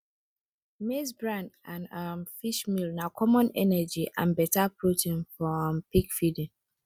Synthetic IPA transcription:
mesbɹãndãnʌ̃mfiʃmilnakʰɔmɔ̃nɛ̰nɛd͡ʒiʔã̰nbɛtapʰɹotʰĩnfɹɔ̃mpikfidĩn

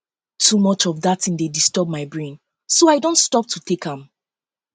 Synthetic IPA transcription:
tʰumɔt͡ʃɔvðatʰĩŋdedistɜb̚maɪbɹẽn | soaɪdõntstɔp̚tʰutʰekãm

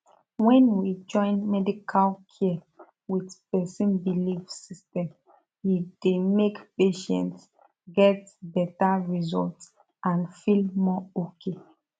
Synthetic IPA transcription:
wɛ̃nwid͡ʒɔ̃ɪ̃nmɛdikʰalkʰi | widpɛsĩnbilifsistɛ̃m | judemekpeʃɛ̰̃nts | ɡɛtbɛtaɹizɔlt | ãnfilmɔokʰe

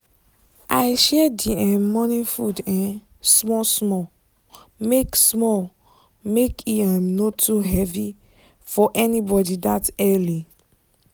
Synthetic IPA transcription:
ʔaɪʃɛdiãmɔnĩfudɛ̃n | smɔsmɔ | meksmɔ | mekiãmnotuɦɛvi | fɔʔɛnibɔdidatɛli

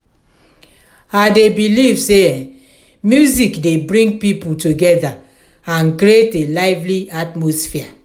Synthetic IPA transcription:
adebilivse | mjuzikdebɹĩŋɡ̚pipultuɡɛda | ãnkɾietelaɪvliatmɔsfia

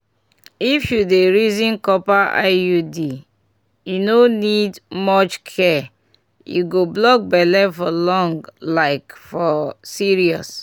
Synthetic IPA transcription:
ifjudeɹizĩnkɔpaʔa̰judi | junonidmɔt͡ʃkʰɛ | jṵɡoblɔk̚bɛlɛfɔlɔ̃ŋɡlaɪkfɔsiɹiɔs

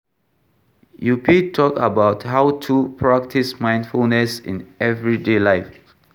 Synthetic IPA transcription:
jupʰitʰɔkə̰baʊtɦaʊtʰupʰɹak̚tʰismãj̃nfulnɛsɪ̰̃nɛvɹidelaɪf

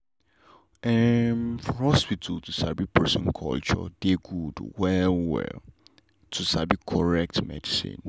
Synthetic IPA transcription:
ɛmfɔhɔswitʰutusabipʰɛsɔ̃nkʰɔ̰lt͡ʃɔ̰deɡudwɛlwɛ̰l | tʰusabikʰɔɹɛk̚tmɛ̰disḭ̃n

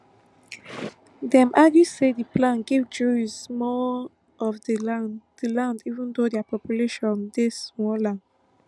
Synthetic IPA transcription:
dɛ̃mʔadusediplãnɡivd͡ʒuɹizmɔ | ɔfdəadilãndivũndodiapɔpjuleʃɔ̃ndesmɔlãn

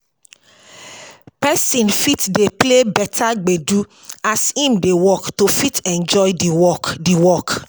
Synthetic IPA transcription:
pɛsĩnfitdeplebɛtʰaɡ͡bedu | ashĩmdewɔktofitɛ̃nd͡ʒɔjdiwɔkdiwɔk

